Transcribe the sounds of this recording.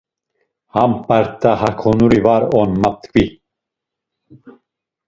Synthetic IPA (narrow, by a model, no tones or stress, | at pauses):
hampaɾt̪ʰːahakʰɔnuɾivaɾɔnmap̚t̪kvi